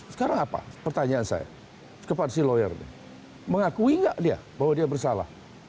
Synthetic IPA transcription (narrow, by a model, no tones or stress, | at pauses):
sə̥kaɾaŋapa̰pərt̪aɲaansa̰ja̰ | kəpadsilojə̰rnḭ | məŋakuiŋɡaʔdia̰baɦwadiabərsala̰h